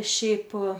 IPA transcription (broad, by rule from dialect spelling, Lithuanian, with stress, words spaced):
ˈʃʲɛɪp